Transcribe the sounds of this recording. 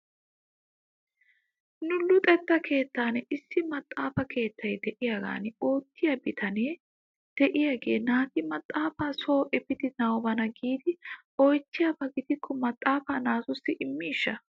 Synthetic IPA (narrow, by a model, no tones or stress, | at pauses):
nʊlːʊt̪ʼɛt̪ːɐkʰe̞ːt̪ːaːnɛʔɪsːɪmɐt̪ʼːaːfɐkʰe̞ːt̪ʰːɐjd̪ɛʔɪjaɡa̰ːnɪo̞ːt̪ːɪjɐbɪt̪ʰɐneː | d̪̥ɛʔɪjaːɡe̞̰ːnaːt̪ɪmɐt̪ʼːaːfaːsoːʔɛpɪd̪ɪnɐwɔbɐnɐɡiːd̪ɪ | ɔjtːɪjɐbɐɡɪd̪ɪkʰːɔmɐt̪ʼːaːfaːnaːsʊsːɪʔɪmːiːʃːɐ